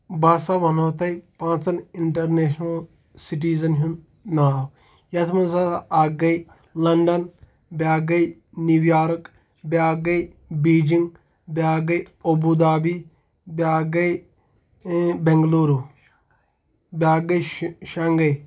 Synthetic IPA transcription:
baːsaʋɐnoːt̪ɐipãːt͡sɐniɳʈɐɾneːʃnɐl | siʈ̬iːzɐnɦunː | aːw | jɐt̪ʰmɐnsɐtʔaːɡɐi | lɐɳɖɐn | bʲaːɡɐi | niʋjaːɾɐk | bʲaːɡɐi | biːd͡ʒĩŋɡ | bʲaːɡɐi | obud̪aːbiː | bʲaːɡɐ | bẽŋɡluːɾu | bʲaːɡɐjʃaŋɡɐj

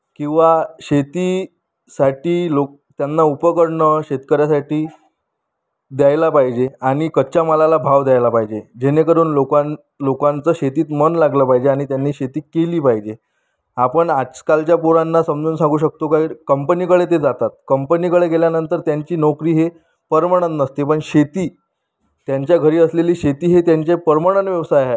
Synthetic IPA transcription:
kĩw̃ʋaɕet̪iː | saʈiːlok̚t̪janːaupəkəɽɳəɕet̪kəɾjasaʈiː | d̪jajlapaɦid͡ʑeaɽ̃ikəɕaməlalabʱaʋd̪jajlapaɦid͡ʑed͡ʑenekəɾuːnlokan | lokant͡səːɕet̪iːt̪mənlaɡləpaɦid͡ʑeaɽ̃it̪janːiːɕet̪iːkeliːpaɦid͡ʑe | apəɳḁkalt͡ɕjapoɾanːasəmd͡zuːnsãŋɡuːɕ̬ək̚t̪okaɦiːɾkəmpəniːkəɽet̪̬ed͡zat̪at̪̚kəmpəniːkəɭeɡeljanənt̪əɾt̪jaɲt͡ɕiːnokɾiːɦe | pəɾmaɽ̃ənːəst̪epəɳɕet̪iː | t̪jaɲt͡ɕjaɡʱəɾiːəsleliːɕet̪iːɦet̪jaɲt͡ɕepəɾmaɽ̃ənʋjəʋsajɦa

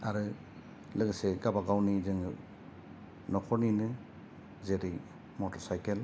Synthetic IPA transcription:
aɾɯ | lɯɡseɡabaɡawnizɯŋɯ | nɔkʰɔɾninɯ | zeɾi | mɔtɔɾsajkel

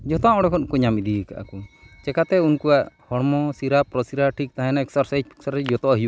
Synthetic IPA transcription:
d͡ʒɔt̪ɔãɔɽɔkʰɔnkuɲamid̪ika̰ʔa̰kut͡ʃɛkat̪ɛunkuwaʔhɔɽmɔsiɾapɾɔsiɾaʈʰik̚t̪aɦɛ̃naɛksɔɾsajd͡ʒɛksɔɾsad͡ʒɔt̪ɔaɦiju

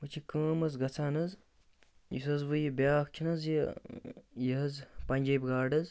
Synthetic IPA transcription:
ʋɨt͡ʃʰikəːmɐzɡɐt͡sʰaːnɐz | jḭsɐzʋɨjibʲaːkt͡ʃʲʰinɐzji | jɐɐzpɐnʲd͡ʒɐbʲɡaːɖɐz

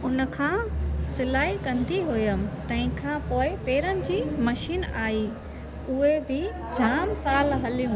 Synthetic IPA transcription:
ʊnə̆kʰãːsɪlaːikɐ̃nd̪iɦʊjəmɪ̆t̪ɐ̃ɦɪ̃kʰãːpoːɪpeːɾənɪ̆d͡ʑiːmɐʃiːnaːiː | ʊɦebɪ | d͡ʑaːmsaːlɦɐlijũ

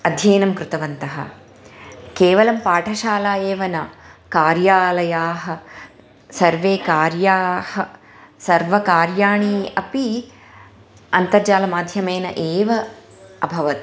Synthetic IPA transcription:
ɐd̪ʱjeːnɐmkɾut̪ɐʋɐnt̪ɐɦɐ̰ | keːʋɐlɐmpaːʈʰɐʃaːlaːjeːʋɐnɐkaːɾjaːlɐjaːɦɐ | sɐɾʋeːkaːɾjaːhɐ | sɐɾʋɐkaːɾjaːɳiɐpi | ɐnt̪ɐɾd͡ʒaːlɐmaːd̪ʱjɐmeːnɐ̰ʔeːʋɐ | ɐbʱɐʋɐt̪

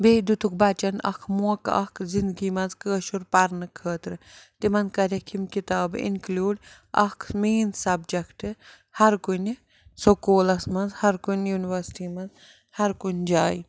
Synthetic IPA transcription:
beːd̪ut̪uk̚bɐt͡ʃɐnɐ̰kʰmuɐkɐ̰kʰzind̪ɡimɐnzkəːʃuɾpɐɾnɨkʰəːt̪ɾɨt̪imɐnkɐɾʲɐkʰimkit̪aːbḭnklʲuːɖ | ʔɐkʰmiːnsɐbd͡ʒɐkʈɨ | hɐɾkunʲ | sokoːlɐsmɐnzhɐɾkunʲjuːniʋɐɾsʈimɐnz | hɐɾkunʲd͡ʒaːj

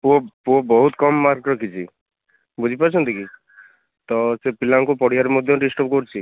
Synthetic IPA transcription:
oobɔɦut̪kɔmːaɾkɾɔkit͡ʃʰi | bud͡ʒʱipaɾt͡ʃʰɔnt̪iki | t̪ɔsepilaŋkupɔɽiaɾemod̪ʱjɔɖisʈɔp̚kɔɾt͡ʃʰi

